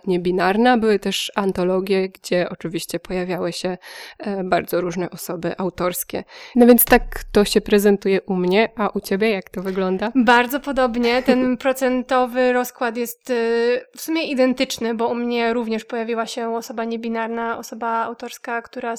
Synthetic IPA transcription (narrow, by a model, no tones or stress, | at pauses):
ɲɛbʲinaɾnabɘwɘt̪ɛʂant̪ɔlɔɡʲjɛɡd͡ʑɛʔɔt͡ʂɨvʲiɕt͡ɕɛpɔjavʲjawɘɕɛ | baɾd̪zɔɾuʐnɛʔɔsɔbɘ̰ʔawt̪ɔɾskʲɛ̰nɔvʲjɛnt̪st̪ak̚t̪ɔɕɛpɾɛzɛnt̪ujɛʔumɲɛʔaʔut͡ɕebʲjɛjakt̪ɔvɘɡlɔnd̪abaɾd̪zɔpɔd̪ɔbɲɛt̪ɛnpɾɔt̪sɛnt̪ɔvɘɾɔskwat̪jɛst̪fsumʲjɛʔid̪ɛnt̪ɘt͡ʂnɘbɔumɲɛɾuvɲɛʂpɔjavʲiwaɕɛɔsɔbaɲɛbʲinaɾnaɔsɔbaa̰wt̪ɔɾskakt̪uɾa